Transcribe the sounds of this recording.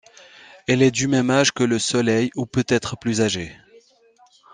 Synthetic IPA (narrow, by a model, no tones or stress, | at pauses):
ɛlɛd̪ymɛmaʒkələsɔlɛjupøt̪ɛt̪χəplyzaʒe